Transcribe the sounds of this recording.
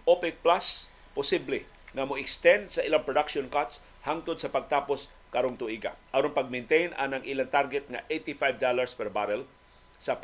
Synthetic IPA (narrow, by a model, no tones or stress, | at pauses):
opɪk̚plas | pʊsiblɪ | ŋɐmoɪkst̪ɛ̃nd̪sɐʔɪlaŋpɾod̪akʃonkat̪s | haŋt̪ʊd̪̚sɐpɐɡ̚t̪aːpos | kaɾoŋt̪ʊʔiɡa̰ʔaɾoŋpɐɡ̚mɛnt̪ejnʔa̰nɐŋʔilaŋt̪aɾɡɛt̪̚ŋa̰ʔejt̪ifajvd̪alaɹspɛɾbaɾɛl | sɐp